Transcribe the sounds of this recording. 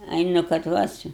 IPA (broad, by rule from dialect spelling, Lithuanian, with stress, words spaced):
ˈɐɪ nʊ kɐt ˈʋɐ t͡ʃʲɛ